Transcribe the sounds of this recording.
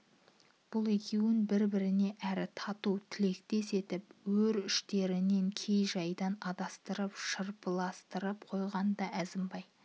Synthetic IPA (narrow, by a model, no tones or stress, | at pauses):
b̥ʊlˠe̞kʲe̞wɪnbɪɾbɪɾɪne̞ʔæɾɪt̪ʰɑt̪ut̪ʰɪle̞kt̪e̞se̞t̪ɪpwɵɾʏʃt̪e̞ɾɪne̞ŋkʲʰe̞jʒɑjd̪ɑnɑd̪ɑst̪əɾəpʃəɾpəlˠɑst̪əɾəpqʰo̞jʁɑnd̪ɑæzɪmbɑj